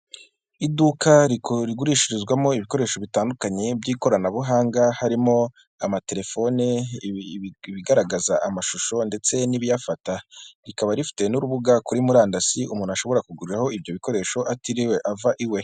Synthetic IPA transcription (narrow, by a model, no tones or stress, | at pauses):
idukaɾiɾiɡuɾiʃiɾizɡwamo̞iβiko̞ɾe̞ːʃo̞βitaːndukaɲe̞bɟiːko̞ɾanaβuɦaːŋɡahaɾimo̞ | amate̞ɾe̞fo̞ne | βiɡaɾaɡazaʔamaʃuʃo̞nde̞t͡se̞niβijafataɾikaβaɾifi̥te̞nuɾuβuɡakuɾimuɾaːndasiumuːnuaʃo̞βo̞ɾakuɡuɾiɾaho̞ibjo̞βiko̞ɾe̞ːʃo̞ʔatiɾiwe̞ʔavaʔiwe̞